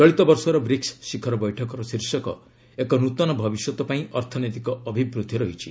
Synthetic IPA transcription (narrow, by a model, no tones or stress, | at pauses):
t͡ʃɔɭit̪ɔbɔɾsɔɾɔbɾiksːikʰɔɾɔbɔjʈʰɔkɔɾɔsiɾsɔkɔ̰ | ekɔnut̪ɔnɔbʱɔbisɔt̪ɔpaĩʔɔɾt̪ʰɔnet̪ikɔːbʱibɾud̪ʱiɾɔɦit͡ʃʰi̥